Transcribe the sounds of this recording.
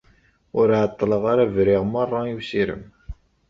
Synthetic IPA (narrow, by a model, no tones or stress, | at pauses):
ʊɾʕət̪ˤːləʁaɾævɾiʁmərˤːɑiwsiɾə̰m